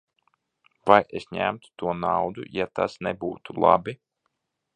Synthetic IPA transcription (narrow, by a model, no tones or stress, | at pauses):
vajʔesɲæ̰mt̪u̥t̪uɔnawd̪ṵjat̪asnebuːt̪ulˠa̰bi